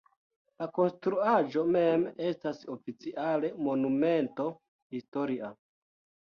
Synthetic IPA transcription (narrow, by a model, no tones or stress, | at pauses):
lako̞nstɾuaʒo̞me̞me̞staso̞fit͡siʔale̞mo̞nume̞nto̞ | histo̞ɾia